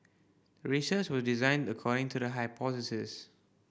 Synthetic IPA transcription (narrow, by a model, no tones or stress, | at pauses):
ɹisət͡ʃwɔsdizãɪ̃ndəkʰɔɾɪ̃ŋtʰudəɦaɪpʰɔtɪsɪs